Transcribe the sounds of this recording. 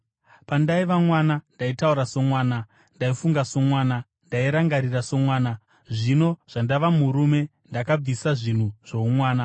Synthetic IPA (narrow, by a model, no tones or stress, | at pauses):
pandaiʋamwaːnandaitauɾaso̞mwaːna | ndaifuŋɡaso̞mwaːna | ndaiɾaŋɡaɾiraso̞mwaːna | ʐino̞ʐ̥andaʋamuɾume̞ | ndakab͡visaʐin̤uʐ̥oumwaːna